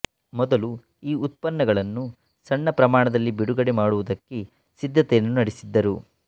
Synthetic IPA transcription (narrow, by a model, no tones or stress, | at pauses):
mɔd̪ɐlu | iːut̪̚pɐnːɐɡɐɭɐnːu | sɐɳːɐpɾɐmaːɳɐd̪ɐlːibiɽuɡɐɽemaːɽuʋud̪ɐkːe | sid̪ʱːɐt̪ɛjɐnːunɐɽisid̪ːɐɾu